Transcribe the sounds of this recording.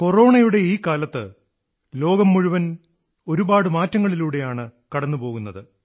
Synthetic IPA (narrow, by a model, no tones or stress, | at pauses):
ko̞ro̞ːɳɐjuɽe̞iːkaːlɐt̪ːɨ̰ | lo̞ːɡɐmːuɻuʋɐn | o̞ɾubaːɽɨmaːtːɐŋːɐɭiluːɽe̞jaːɳɨkɐɽɐnːupo̞ːɣunːɐðɨ